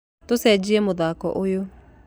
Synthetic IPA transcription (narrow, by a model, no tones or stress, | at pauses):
tosɛd͡ʑiɛmoðaːkɔ̰ʔojo